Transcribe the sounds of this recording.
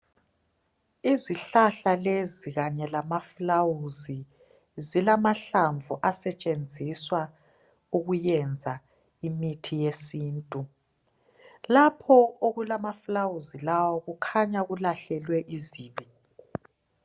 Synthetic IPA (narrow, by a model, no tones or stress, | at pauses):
iziɬaɬaleziɣaɲɛlamaflawuzi | zilamaɬaɱvʱuʔasɛt͡ʃʼend͡zʱiswa | uɣujɛnd͡zʱa | imitʰijesiːntʼu | lapʰɔoɣulamaflawuzilawɔɣukʰaɲaɣulaɬɛlwɛʔiziːβi